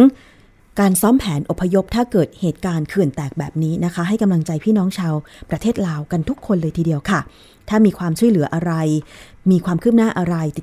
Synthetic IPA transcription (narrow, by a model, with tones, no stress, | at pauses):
ŋ | kaː˧nsɔː˦˥mpʰɛː˩˦nʔo˨˩pʰːa˧jo˦˥p̚t̪ʰaː˥˩kɤː˨˩t̪̚heː˨˩t̪̚kaː˧nkʰɯ˨˩ənt̪ɛː˨˩k̚bɛː˨˩p̚niː˦˥na˦˥kʰa˦˥ɦa˥˩jka˧mla˧ŋt͡ɕa˧jpʰiː˥˩nɔː˦˥ŋt͡ɕʰaː˧wpɾa˧t̪ʰeː˥˩t̪̚laː˧wka˧nt̪ʰu˦˥kʰːo˧nlɤː˧jt̪ʰiː˧di˧əwkʰa˥˩ | t̪ʰaː˥˩miː˧kʰwaː˧mt͡ɕʰu˥˩jlɯ˩˦ɐʔa˧ɾa˧j | miː˧kʰwaː˧mkʰɯː˥˩p̚naː˥˩ʔa˧ɾa˧jt̪i˨˩